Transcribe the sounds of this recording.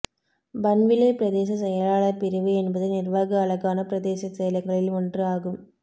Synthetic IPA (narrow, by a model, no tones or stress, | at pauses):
bɐnʋɪlɐpɪɾɐðeːs̬ɐsɛjɐlaːɭɐpɪɾɯʋɯɛnbɐðɯnɪrʋaːɣɐːɭɐɣaːnɐpɾɐðeːsɐsɛjɐlɐɪŋɡɐɭɪlɔndrɯaːɣɯm